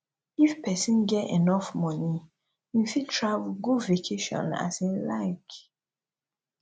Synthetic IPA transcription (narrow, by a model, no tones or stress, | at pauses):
ifpɛsĩnɡɛtḛnɔfmɔni | jĩfitʰɹavulɡudvekʰeʃɔ̰̃na̰sẽlaɪk